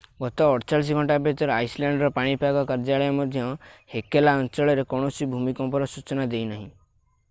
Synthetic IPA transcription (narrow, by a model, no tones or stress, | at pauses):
ɡɔt̪ɔːɾt͡ʃaɭis̬ɔɡʱɔɳʈabet̪ɔɾɔajsleɳɖɔɾɔpaɽ̃ipeakɔkaɾd͡ʒaɭɔjɔmɔd̪ʱjɔhekelaɔnt͡ʃɔɭɔɾekɔɽ̃ɔsibʱumikɔmpɔɾɔsut͡ʃɔnad̪ejnaɦḭ̃